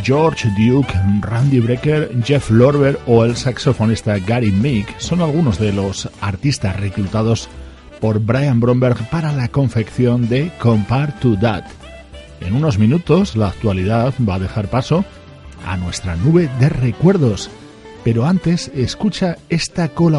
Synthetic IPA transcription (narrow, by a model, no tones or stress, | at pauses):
d͡ʒo̞ɾt͡ʃd̪jukrand̪iβɾekeɾd͡ʒeflo̞ɾβe̞ɾo̞e̞lsakso̞fo̞nist̪aɡaɾimikso̞nalɣ̞uno̞zðe̞lo̞saɾt̪ist̪asre̞klut̪að̞o̞s | po̞ɾbɾajambɾo̞mbe̞ɾɣpaɾalako̞ɱfe̞kθjo̞nd̪e̞ko̞mpaɾt̪ud̪at̪ | e̞̰nuno̞zmĩnut̪o̞slaːkt̪waliðaðbaðe̞xaɾpaso̞ | a̰nwe̞st̪ɾanuβe̞ðe̞re̞kwe̞ɾðo̞s | pe̞ɾo̞ant̪e̞se̞skut͡ʃae̞st̪ako̞la